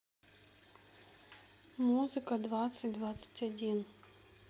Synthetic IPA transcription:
muzɨkɐd̪vat̪sɨtʲd̪vat̪sɨ̥tʲɐdʲin

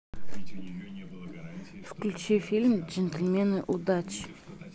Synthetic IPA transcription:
fkʲulʲt͡ɕefʲilʲmʲʒenʲt̪ʲelʲmʲenɨʔud̪ɑt͡ɕ

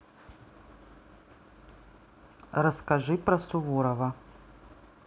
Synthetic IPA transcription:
ɾɐskɐʐɨpɾɐsuvuɾɐvɐ

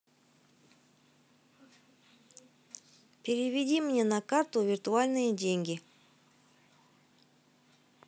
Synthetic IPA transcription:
pʲeɾʲɪvʲɪdʲimʲnʲenakart̪uvʲɪrt̪ualʲnɨjədʲeŋɡʲi

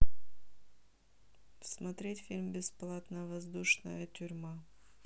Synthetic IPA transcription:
smɐt̪ɾʲetʲfʲilʲmbʲɪsplˠat̪nəvɐzd̪uʂnə̰jətʲʏɾʲma

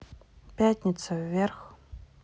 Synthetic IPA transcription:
pʲætʲnʲɪt̪səvːʲerx

